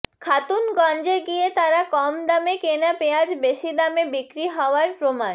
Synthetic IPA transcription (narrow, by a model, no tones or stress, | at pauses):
kʰat̪unɡɔnd͡ʑeɡiet̪aɾakɔmd̪amekenapead͡ʑbeʃid̪amebikɾiɦɔoaɾpɾoman